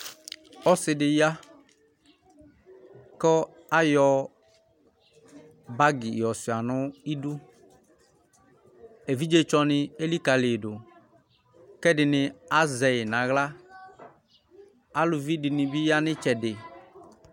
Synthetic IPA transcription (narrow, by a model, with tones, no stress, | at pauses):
ɔ˦sɪ˨dɪ˨ja˦ | kɔ˦ | a˦jɔ˨ | ba˦ɡɪ˨jɔ˨sɪ˨a˨nʊ˦i˦du˦ | e˨vi˦d͡ʒe˦t͡ʃɔ˦nɪ˨e˦li˦ka˨lɪ˨dʊ˨ | kɛ˦dɪ˨nɪ˨a˦zɛ˨ɪ˨nã˨ɣla˦ | a˦lʊ˨vi˦dɪ˨nɪ̃˨bɪ˦ja˦nɪ˦t͡ʃɛ˨dɪ˨